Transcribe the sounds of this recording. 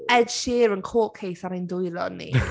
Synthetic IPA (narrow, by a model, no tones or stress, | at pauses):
ɛdʃɪːɾənkʰoːʔkʰejθaɾajndʊjlˠɔ̰nḭ